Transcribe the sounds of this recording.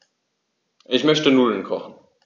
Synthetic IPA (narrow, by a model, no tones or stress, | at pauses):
ʔɪçmœçtənʊlənkʰɔχn̩